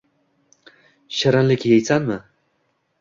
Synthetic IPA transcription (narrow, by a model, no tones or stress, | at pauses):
ɕaɾanlɪkʲjej̪sanmɨ